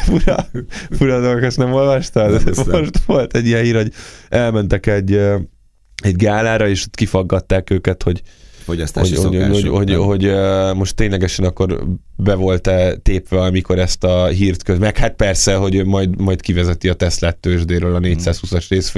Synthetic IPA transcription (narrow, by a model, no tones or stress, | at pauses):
fuɾɒfuɾɒd̪olɡokɛsnɛmo̞lvɒʃt̪ɒoʃt̪ʋo̞lt̪ɛɟːijɛnhiːɾho̞ɟɛlmɛnt̪ɛkɛɟːø | ɛɟɡaːlaːɾɒeːʃt̪kifɒɡːɒt̪ːaːkøːkɛt̪ho̞ɟfosoɟhooohoɟho̞ɟømo̞ʃt̪ːeːɲlɛɡɛʃɛnɒkːo̞rbɛvo̞lt̪ɛt̪eːpʋɛɒmiko̞ɾɛst̪ɒɦiːrt̪køzmɛkhat̪̚pɛrsɛɦo̞ɟømɒjd̪mɒjt̪kivɛzɛt̪iɒt̪ɛslɛt̪ːøːʒd̪eːɾøːlɒneːcsaːshusɒʃreːsf